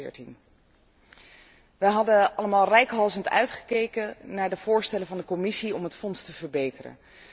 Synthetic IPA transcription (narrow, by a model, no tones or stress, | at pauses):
ɪːɹtin | ʋəɦɑdəɑləmaːlˠrɛjkɦɑlˠzəntœ̰ɥtχə̥kejkənaːɹdəvʊːɹstɛləvɑndəkɔmɪsiɔmɦətfɔnstəvəɹbejtərə̰n